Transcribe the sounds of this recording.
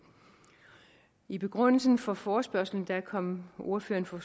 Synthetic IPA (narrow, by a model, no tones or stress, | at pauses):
ib̥e̝ɡ̥ʁɔn̰l̩sn̩fɒ̽fɒːsb̥ɶɐ̰sl̩n̩d̥ækʰɒ̽m̰o̝ɐføːɐnfɒ̽